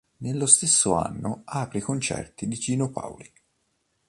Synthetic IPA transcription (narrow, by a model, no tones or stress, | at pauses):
nelːost̪esːoa̰nːoaːpɾikont͡ʃɛ̰rt̪id̪id͡ʒiːnopa̰wli